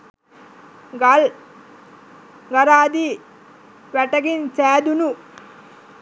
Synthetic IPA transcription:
ɡl | ɡɐɾaːd̪i | ʋæʈɐɡint͡ʃæːd̪unu

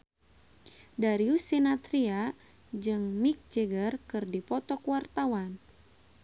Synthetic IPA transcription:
daɾiusinat̪ɾia | d͡ʒɨŋmik̚d͡ʒɛɡərkɨrdipɔt̪ɔkwart̪awan

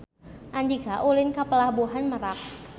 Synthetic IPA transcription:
ʔaɲd͡ʒikaʔulɪnkapəlahbuɦanməɾak̚

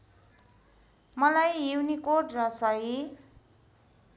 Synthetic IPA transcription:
mʌlajːuwnikoʈrʌsʌji

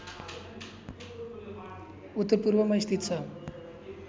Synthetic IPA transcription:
ut̪ːəɾpuɾʋəməjst̪it̪t͡sa

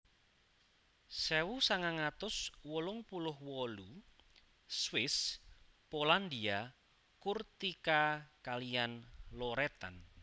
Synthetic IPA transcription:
sɛwusaŋaŋat̪ʊswɔlʊŋpulʊhwɔlu | swɪspoland̪ia | kurt̪ikakalijanlɔɾɛt̪a̰n

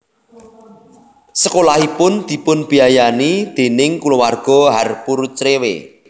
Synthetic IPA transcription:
səkolahipʊnd̪̥i̤pʊnb̥i̤ajanid̪̥e̤nɪŋkulowarɡ̥ɔ̤ɦarpurt͡ʃɾewḛ

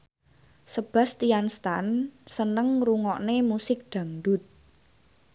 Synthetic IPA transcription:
səb̥ä̤st̪ianst̪ansənəŋruŋɔʔnemusɪk̚d̪̥a̤ŋdʊ̤t̪̚

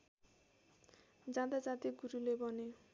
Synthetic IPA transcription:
d͡zat̪ad͡zat̪iɡuɾulebɔne

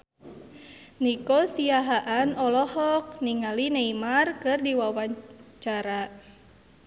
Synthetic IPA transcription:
nikosiaɦaʔanɔlɔhɔk̚niŋalineimarkɨrdiwawat͡ʃaɾa

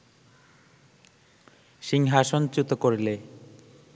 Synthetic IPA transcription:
ʃiŋɦaʃont͡ɕut̪okoɾile

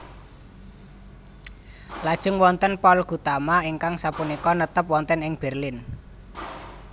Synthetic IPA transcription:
lad̥ʒ̥ə̤ŋwɔnt̪ənpɔlɡ̥ṳt̪amaiŋkaŋsapunikɔnət̪əp̚wɔnt̪ənɪŋb̥ɛrlɪn

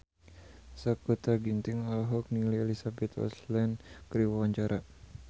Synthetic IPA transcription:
səkut̪aɡint̪iŋɔlɦɔk̚nilielisabɛt̪ɔ̰slɛnkɾiwawaɲt͡ʃaɾʔa

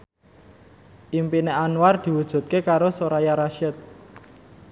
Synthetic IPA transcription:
ʔimpineanward̪̥i̤wud̥ʒ̥ṳt̪̚kekaɾosoɾajaɾaʃɛt̪̚

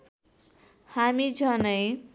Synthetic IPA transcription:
hamid͡zʱʌnʌj

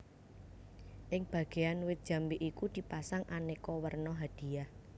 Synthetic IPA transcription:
ʔɪŋb̥a̤ɡ̥e̤anwɪt̪̚ʒ̥a̤mbeʔikud̪̥i̤pasaŋʔanekɔwərnɔɦad̪̥i̤jah

